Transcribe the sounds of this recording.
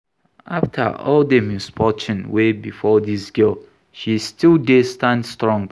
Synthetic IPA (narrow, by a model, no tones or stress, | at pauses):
ʔaftʰə̰ʔɔ̰ldəmjuspʰɔt͡ʃɔ̃nwebifɔðisɡ̥ɜl | ʃistilˠdestãndstɹɔ̃ŋɡ